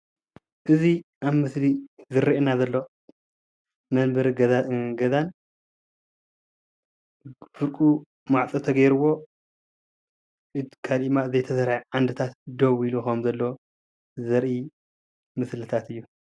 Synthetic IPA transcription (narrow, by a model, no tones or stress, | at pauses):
ʔɨziʔaβmɨslizɨɾiʔenazɐlːo | mɐnbɨɾɡɐzan | fɨɾkʼu | maʕt͡sʼɨt̪ʰɐɡɐjɾɨwo̞ | ɨkʰalimaɨzɐjt̪ʰɐsɐɾajʕand̪ɨt̪ʰat̪d̪owiluxɐmzɐlːoo | zɐɾʔi | mɨslɨt̪ʰat̪ɨjːu